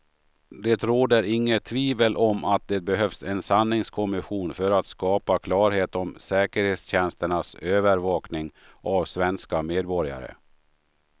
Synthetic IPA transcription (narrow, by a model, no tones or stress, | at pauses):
d̪et̪ɾoːd̪əɾɪŋːət̪ʰːviːvəlʔɔmat̪̚d̪ɛt̪̚bɛɦœfsɛnsanːɪŋskʰɔmɪɧuːnfœɾat̪skɑːpakʰlɑːɾheːt̪ɔmsɛːkəɾheːt̪sɕɛnst̪əɳasøːvəɾvɑːknɪŋ | ʔavsvɛnskameːd̪̚bɔɾja̰ɾə̰